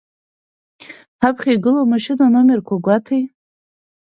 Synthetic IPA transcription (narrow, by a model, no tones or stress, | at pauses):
hapʰχʲajɡɨlomaʃɪnanomɪrkʷʰaɡʷatʰej